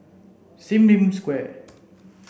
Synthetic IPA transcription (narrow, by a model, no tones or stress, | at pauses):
simlimskwɛ